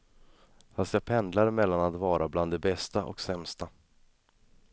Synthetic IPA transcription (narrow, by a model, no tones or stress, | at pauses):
hanskapʰɛnd̪laɾmɛlːanat̪vɑːɾabland̪ɛbɛst̪aʔɔ̰ksɛmst̪a